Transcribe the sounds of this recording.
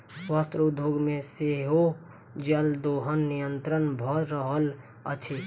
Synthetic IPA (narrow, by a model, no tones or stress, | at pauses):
swast̪ɾəʊd̪ʱjoːɡmẽseɦo | d͡ʒəld̪oːɦənːijə̃nt̪ɾənbʱɔɾəɦəl | əʃʰe